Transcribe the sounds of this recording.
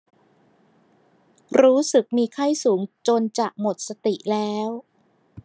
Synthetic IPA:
ɾuː˦˥sɯ˨˩k̚miː˧kʰa˥˩jsuː˩˦ŋt͡ɕo˧nt͡ɕa˨˩k̚mo˨˩t̪̚sa˧t̪i˨˩ʔlɛː˦˥w

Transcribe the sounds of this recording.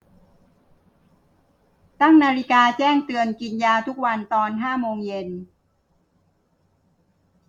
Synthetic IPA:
t̪a˥˩ŋnaː˧ɾi˦˥kaː˧t͡ɕɛː˥˩ŋt̪ɯ˧ənki˧njaː˧t̪ʰu˦˥k̚wa˧nt̪ɔː˧nɦaː˥˩moː˧ŋje˧n

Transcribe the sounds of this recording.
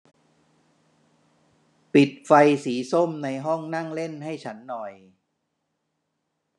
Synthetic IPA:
pi˨˩t̪̚fa˧jsiː˩˦so˥˩mna˧jɦɔ˥˩ŋna˥˩ŋle˥˩nɦa˥˩jt͡ɕʰa˦˥nːɔ˨˩j

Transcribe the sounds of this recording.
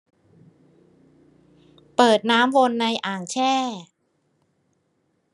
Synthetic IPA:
pɤː˨˩t̪̚naː˦˥mwo˧nːa˧jʔaː˨˩ŋt͡ɕʰɛː˥˩

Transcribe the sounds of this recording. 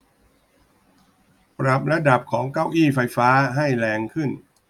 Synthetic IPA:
pɾa˨˩p̚ɾa˦˧˥da˨˩p̚kʰɔː˩˦ŋka˥˩wʔiː˥˩fa˧jfaː˦˥ɦa˥˩jlɛː˧ŋkʰɯ˥˩n

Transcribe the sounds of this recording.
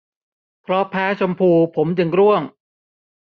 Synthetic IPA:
pʰɾɔ˦˥pʰɛː˦˥t͡ɕʰo˧mpʰuː˧pʰo˩˦mt͡ɕɯ˧ŋɾu˥˩əŋ

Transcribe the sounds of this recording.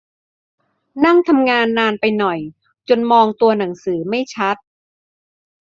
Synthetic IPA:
na˥˩ŋt̪ʰa˧mŋaː˧nːaː˧npa˧jnɔ˨˩j | t͡ɕo˧nmɔː˧ŋt̪u˧ɐna˩˦ŋsɯː˩˦ma˥˩jt͡ɕʰa˦˥t̪̚

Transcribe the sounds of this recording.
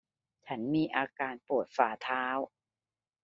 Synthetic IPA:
t͡ɕʰa˦˥nmiː˧ʔaː˧kaː˧npu˨˩t̪̚faː˨˩t̪ʰaː˦˥w

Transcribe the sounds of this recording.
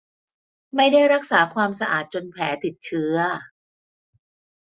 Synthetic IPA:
ma˥˩jda˥˩jɾa˦˥k̚saː˩˦kʰwaː˧msa˧ʔa̰ː˨˩t̪̚t͡ɕo˧npʰɛː˩˦t̪i˨˩t̪̚t͡ɕʰɯ˦˥ɐ

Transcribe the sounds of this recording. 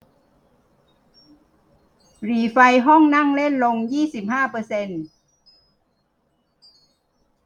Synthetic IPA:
ɾiː˨˩˦fa˧jɦɔ˥˩ŋna˥˩˨ŋle˥˩˨nlo˧ŋjiː˥˩si˨˩p̚haː˥˩pɤː˧se˧n

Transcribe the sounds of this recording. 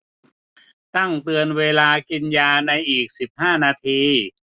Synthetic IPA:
t̪a˥˩ŋt̪ɯ˧ənweː˧laː˧ki˧njaː˧na˧jʔiː˨˩k̚si˨˩p̚haː˥˩naː˧t̪ʰiː˧

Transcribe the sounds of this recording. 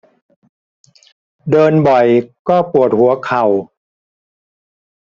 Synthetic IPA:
dɤː˧nbɔ˨˩jkɔː˥˩pu˨˩ət̪̚hu˩˦ɐkʰa˨˩w

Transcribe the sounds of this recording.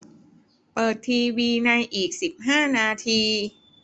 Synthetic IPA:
pɤː˨˩t̪ʰːiː˧wiː˧na˧jʔiː˨˩k̚si˨˩p̚ɦaː˥˩naː˧t̪ʰiː˧

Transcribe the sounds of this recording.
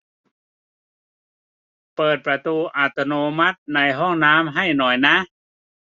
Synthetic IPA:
pɤː˨˩t̪̚pɾa˧t̪uː˧ʔa˧˩t̪o˧noː˧ma˦˥t̪̚na˧jɦɔ˥˩ŋnaː˦˥mɦa˥˩jnɔː˨˩jna˦˥

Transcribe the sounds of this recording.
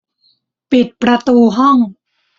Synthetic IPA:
pi˨˩t̪̚pɾa˧t̪uː˧ɦɔ˥˩ŋ

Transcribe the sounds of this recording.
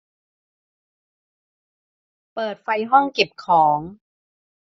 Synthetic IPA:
pɤː˨˩t̪̚fa˧jɦɔ˥˩ŋke˨˩p̚kʰɔː˩˦ŋ

